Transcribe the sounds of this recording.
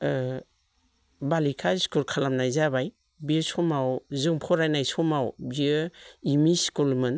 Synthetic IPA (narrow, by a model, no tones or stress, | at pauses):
balikʰaskulkʰalamnajzabaj | biəsɔmawzɯŋpʰɔɾajnajsɔmawbiɯimiskulmɯn